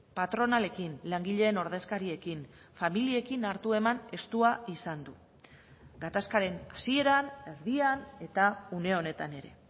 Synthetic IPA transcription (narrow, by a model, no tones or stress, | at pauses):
pat̪ɾo̞nale̞kinlaŋɡiʎe̞ːno̞ɾðe̞skaɾie̞kin | familie̞kinaɾt̪ue̞mane̞st̪uaisand̪u | ɡat̪askaɾe̞nasie̞ɾane̞ɾðiane̞t̪aune̞o̞ne̞t̪ane̞ɾe̞̰